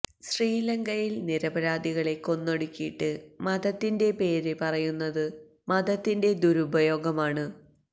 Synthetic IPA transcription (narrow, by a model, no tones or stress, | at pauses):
ɕriːlɐŋɡɐjilniɾɐbɐɾaːd̪iɣɐɭe̞ko̞nːoɽukʲːiiʈːɨmɐd̪ɐt̪ːinde̞pe̞ːɾepɐrɐjunːɐðɨ | mɐd̪ɐt̪ːinde̞d̪uɾubɐjo̞ːɡɐmaːɳɨ